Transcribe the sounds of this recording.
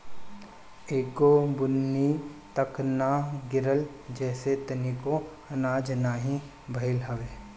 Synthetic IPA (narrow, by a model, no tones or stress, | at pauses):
eːkobʊnːit̪ɐknaɡɪɾəld͡ʒɛːset̪ɐniko | ɐnaːd͡ʒnaːɦĩ | bʱɐɪlɦɐʋeː